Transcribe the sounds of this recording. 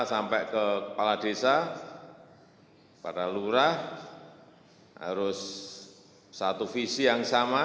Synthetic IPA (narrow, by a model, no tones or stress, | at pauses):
sampɛʔkəəpalad̪̥esa | pa̰daluɾah | ɦa̰ɾʊs | at̪ufisijaŋsama